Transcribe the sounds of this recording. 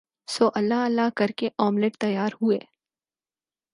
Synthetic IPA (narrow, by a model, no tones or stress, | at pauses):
soːʔɐlːaɐlːakɐɾkeʔɔːmleʈ̚t̪ɐjaːɾɦueː